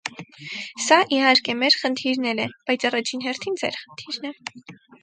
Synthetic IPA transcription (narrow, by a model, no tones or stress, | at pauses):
sɑʔihɑɾkɛmɛɾχənt̪ʰiɾnɛlɛb̥ɑjt͡sʰɑrɑt͡ʃʰinɦɛrt̪ʰind͡zɛ̰ɾχə̥nt̪ʰiɾnɛ